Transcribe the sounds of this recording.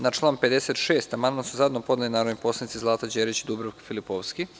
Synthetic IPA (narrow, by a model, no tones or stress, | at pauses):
nat͡ʃlˠaːnpe̞d̪e̞set̪ʃeːst̪amand̪mansuzad̪nopo̞d̪elinaːɾod̪nipo̞slˠanit̪izlˠaːt̪ad͡ʑeɾit͡ɕid̪ubɾoʋkfilipoʋski